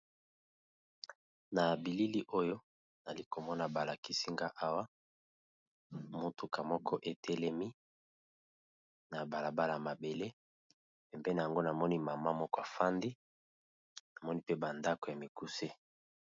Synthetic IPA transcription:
na˨bi˨li˦li˦ʔo˦jo˦ | na˨li˦ko˨mɔ˦na˨ba˨la˨ki˦si˦ŋɡa˦ʔa˦wa˦ | mo˦tu˨ka˨mɔ˦kʰɔ˦ʔe˨tʰɛ˦lɛ˦mi˦ | na˨ba˨la˨ba˦la˨a˨ma˨be˨le˦ | pɛ˨mbe˦na˨a˨ŋɡo˦na˨mɔ˦ni˦ma˨ma˦mɔ˦kɔ˦a˨fa˦ndi˦ | na˨mɔ˦ni˦pe˦ba˨nda˦ko˨ja˨mi˨ku˦se˦

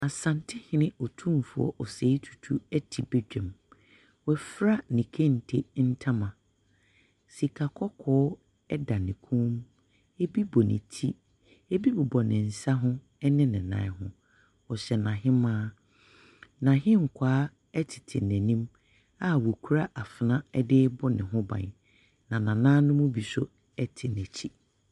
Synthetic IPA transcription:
a˨sã˨ntʰɪ˦hɪ̃˨nɪ̃˦ɔ˨tʰũ˦mfʊ˨ɔ̰˨ʔɔ˨se˨˦i˦tʰu̥˨tʰu˦ɛ˦tʰi˨be˦d͡ʑᶣɛ̃˨m | wɛ˨fɾa˦nĩ˨kʰẽ˦n̩˨tʰe˦n̩˦tʰã˦mã˨ | si˨kʰa˨kʰɔ˦kʰɔː˦ | ɛ˦da˨nɪ̃˨kʰũ˦m | ɛ˦bi˦bɔ˨nɪ̰̃˨tʰi˦ | e˦bi˦bɔ˨bɔ˨nɪ̃˨n̩˨sa˦ɦʊ̃˦ | ɛ˦nɪ̃˦nɪ̃˨nã̰˨˦ɦʊ̰̃˦ | ɔ˨ɕɛ˨nã˨ɦɪ̃˦mãː˦ | nã˨ɦɪ̃˦ŋ̩˨kʰʷaː˦ | ɛ˦tʰɪ̥˨tʰɪ̰˨næ̃˨nĩ˦m | a˦wʊ˨kʰu˦ɾa˦ʔa˨fɪ˨nã˦ɛ˦dɪ˦bɔ˦nɪ̰̃˨ɦʊ̃˦bã̰˨n | nã˨nã˨nãː˦nʊ̃˦mʊ̃˦bi˨sʊ˦ | ɛ˦tʰɪ˨næ̃˨t͡ɕʰi˦

